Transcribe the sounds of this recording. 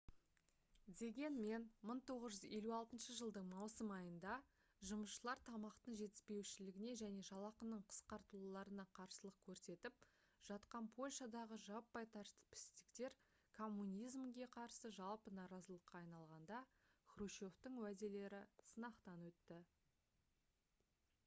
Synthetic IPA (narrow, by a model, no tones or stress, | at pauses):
d̪e̞ɡʲe̞nme̞nməɴt̪ʰo̞ʁəzʒʏze̞luɑlˠt̪ənʃəʒəlˠd̪əɴmɑwsəmɑjənd̪ɑ | ʒʊməsʃəlˠɑɾt̪ʰɑmɑqt̪əɴʒe̞t̪ɪspe̞wʃɪlɪɡʲɪne̞ʒæne̞ʒɑlˠɑqənəɴqʰə̥sqɑɾt̪əlˠulˠɑɾənɑqʰɑɾsəlˠəq̚kʲʰɵɾse̞t̪ɪp̚ | ʒ̥ɑt̪qɑnpʰo̞lʲʃɑd̪ɑʁəʒɑpːɑjt̪ʰɑɾst̪ə̥pʰɪ̥st̪ɪkt̪e̞ɾ | kʰo̞mːunʲijzmɡʲe̞qʰɑɾsəʒɑlˠpənɑɾɑzəlˠəqːɑːjnɑlˠʁɑnd̪ɑ | χruʃo̞ft̪əɴwæd̪e̞le̞ɾɪsənɑqt̪ɑnwɵt̪ːɪ